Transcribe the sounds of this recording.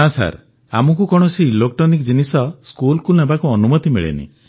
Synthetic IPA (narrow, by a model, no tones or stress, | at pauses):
asa̰ɾ | a̰mɔkukɔɽ̃ɔsilokʈɔnikd͡ʒinisɔskulkulnebakuɔnumɔt̪imiɭḛnḭ